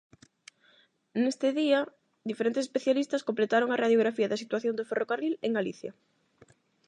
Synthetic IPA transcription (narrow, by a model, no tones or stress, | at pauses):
nest̪ɪðia | d̪ifeɾent̪esespeθjalist̪ɐskomplet̪aɾoŋaraðjoɣ̞ɾafiɐðasit̪waθjond̪oferokarileŋɡaliθjɐ